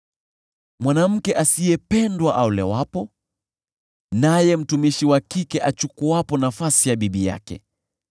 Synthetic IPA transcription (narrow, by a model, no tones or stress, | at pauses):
mwanam̩kɛʔasijɛpɛndwaʔaulɛ̰wapɔ | najɛm̩tumiʃiwakikɛʔat͡ʃukuapɔnafasijaɓiɓija̰kɛ̰